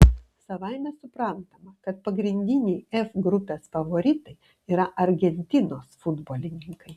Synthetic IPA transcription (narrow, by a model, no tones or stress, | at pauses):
sɐʋɐɪmʲɛsʊpɾɐˑnt̪ɐmɐkɐt̪̚pɐɡɾʲɪnʲd̪ʲɪnʲɛjɛfɡɾʊpʲeːsfɐʋoːɾʲɪt̪ɐɪ | iːɾɐʔɐɾʲɡʲɛnʲt̪ʲɪnoːsfʊd̪boːlʲɪnʲɪŋkɐɪ